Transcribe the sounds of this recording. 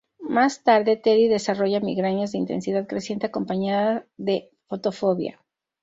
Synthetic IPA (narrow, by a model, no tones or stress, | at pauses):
mast̪aɾðe̞t̪eɾiðe̞saro̞ʝamiɣɾanozðeint̪e̞̰nsiðaðkɾe̞sje̞nt̪e̞ako̞mpaɲaðaðe̞ | fo̞t̪o̞fo̞βja̰